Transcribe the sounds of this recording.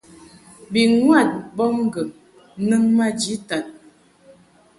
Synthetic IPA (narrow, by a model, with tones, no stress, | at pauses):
bi˨ŋwa˦˨t̚bɔ˦m˦ɡə˨ | nə˦ŋma˦d͡ʒi˨˦ta˨t̚